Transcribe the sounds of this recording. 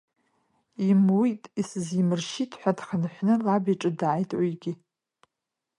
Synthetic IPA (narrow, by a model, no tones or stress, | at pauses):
imwitʼisɨzimɨrʃitʰʼħʷᶣadχənħʷnɨlabiʈ͡ʂʼɨdʕajtʼwijɡʲi